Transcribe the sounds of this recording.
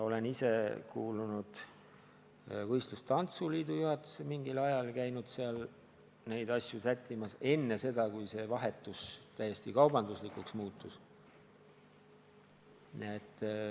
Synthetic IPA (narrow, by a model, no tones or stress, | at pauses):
o̞le̞nise̞kuːlunud̪̥ | vɤjst̪lust̪ɑnt̪suliːd̪̥ujuhɑt̪ːˑu̥semiŋɡilɑjɑlkæjnud̪̥seɑl | ne̞jd̪̥ɑsʲjusæt̪ʲʰːimɑse̞nːe̞se̞d̪̥ɑkujse̞vɑɦe̞t̪ːˑust̪æjːe̞sʲt̪ikɑwbɑnd̪uslikuksmuːt̪ːˑus | net̪ː